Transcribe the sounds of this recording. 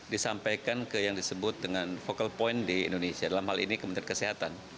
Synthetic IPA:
disampajkankəjaŋdisəbʊt̪̚dəŋanfokalpɔindiḭndonesiadalamhalḭnikəməniankəsiɦat̪an

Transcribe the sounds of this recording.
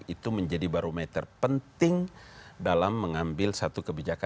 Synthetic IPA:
it̪uməɲd͡ʒadibaɾomɛt̪ərpənt̪ɪŋdalamːəŋambɪlsat̪ukəbid͡ʒaka

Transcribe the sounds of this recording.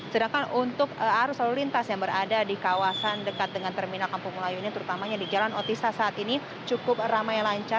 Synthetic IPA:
sədaŋkanunt̪ʊkəhaɾʊsaɾulint̪asjaŋbəɾadadikawasandəkat̪̚dəŋant̪ərminalkampʊŋmulajuinit̪əɾut̪amaɲadid͡ʒalanɔt̪isasaat̪ini | t͡ʃukʊp̚ramajlaɲt͡ʃa

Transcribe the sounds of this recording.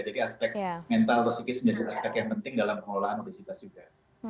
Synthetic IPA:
d͡ʒadiaspɛk̚mɛnt̪alrosikisəmd͡ʒadiʔaspɛkjaŋpənt̪ɪŋdalampəŋolaanobesit̪asd͡ʒuɡa

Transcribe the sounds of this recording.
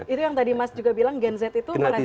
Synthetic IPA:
it̪ujaŋt̪adimasd͡ʒuɡabilaŋɡɛnzɛt̪it̪uaɾa

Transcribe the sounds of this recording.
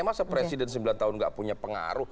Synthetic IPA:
masappɾesidɛns̬əmbilant̪aɦʊnŋɡa̰ʔpuɲapəŋa̰ɾʊ

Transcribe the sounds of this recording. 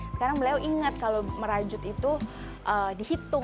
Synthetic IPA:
sə̥kaɾaŋbəlaawʔiŋat̪̚kaloməɾad͡ʒʊt̪it̪u | ʔədihit̪ʊ

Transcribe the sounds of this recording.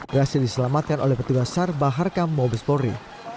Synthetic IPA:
bəɾasildisəlamat̪̚kano̰lɛhpət̪uɡassarbaɦarkamːobəspoɾḭ

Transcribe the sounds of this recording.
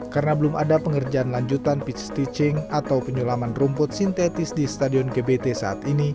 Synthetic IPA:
karənabəluma̰dapəŋərd͡ʒaanlaɲd͡ʒut̪anpit͡ʃst̪it͡ʃɪŋat̪awpəɲulamanrumpʊt̪̚sint̪et̪ɪsdist̪adiɔnkebet̪esaːt̪ini

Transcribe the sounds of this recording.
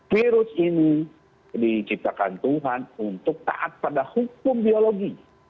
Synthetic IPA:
fiɾʊsini | dit͡ʃip̚t̪akant̪uɦanunt̪ʊk̚t̪a̰ʔat̪̚padahukʊmbioloɡi

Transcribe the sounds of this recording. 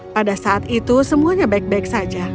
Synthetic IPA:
padasaat̪it̪usəmuaɲabaɪk̚baɪk̚sad͡ʒa

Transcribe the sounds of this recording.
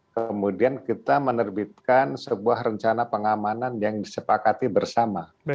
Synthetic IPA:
kəmudiankit̪amənərbit̪̚kansəbuahrəɲt͡ʃanapəŋamananjaŋdisəpakat̪ibərsama

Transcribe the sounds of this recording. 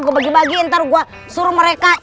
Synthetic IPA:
ɡuabaɡibaɡiɛnt̪aɾuɡua | suɾuməɾeka

